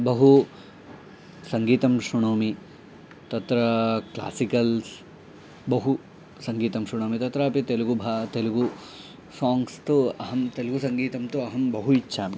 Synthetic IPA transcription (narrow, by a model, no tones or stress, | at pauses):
bɐɦu | sɐŋɡiːt̪ɐmʂɾuɳoːmi | t̪ɐt̪ɾɐkla̰ːsikɐls | bɐɦu | sɐŋɡiːt̪ɐmʂɾuɳ̃oːmit̪ɐt̪ɾaːpit̪eluɡubʱat̪eluɡu | saːŋɡst̪uɐɦɐmt̪eluɡusɐŋɡiːt̪ɐmt̪uɐɦɐmbɐɦuitːʃʰaːmi